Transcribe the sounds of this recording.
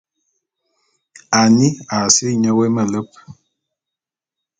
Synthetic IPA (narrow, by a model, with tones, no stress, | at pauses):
a˨ni˦a˨si˦˨ɲə˦we˦mə˦˨lə˦p̚